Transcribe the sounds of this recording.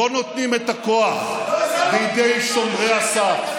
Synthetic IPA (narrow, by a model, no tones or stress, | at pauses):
ono̞t̪nimet̪ako̞aχbed̪ejʃo̞mʁeasa